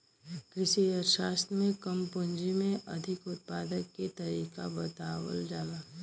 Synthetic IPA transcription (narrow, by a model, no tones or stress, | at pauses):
kɾɪʃiəɾʃaːst̪ɾmẽkəmpʊ̃nd͡ʒimẽʔɐd̪ʱɪkʊt̪̚paːd̪əkːet̪ɐɾiːka̰bɐt̪aːwə̰ld͡ʒaːlaː